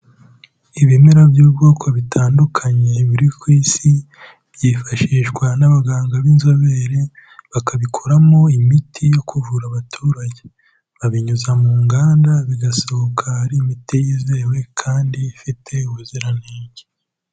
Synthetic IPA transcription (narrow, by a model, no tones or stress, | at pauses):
iβimeɾabjuːbɡoːkʰo̞βitʰaːndukʰaɲe̞βuɾikwiːsi | β̥jifaʃiʒɡwanaβaɡaːŋɡaβinzoβeɾe̞ | βakaβikʰoɾamo̞imitʰijo̞kʰuvuɾaβatʰuːɾaɟe | βaβiɲuzamuːŋɡaːndaβiɡasookʰaaɾiːmitijiːze̞ːwe̞kʰaːndifitʰe̞uuziɾaneːɟe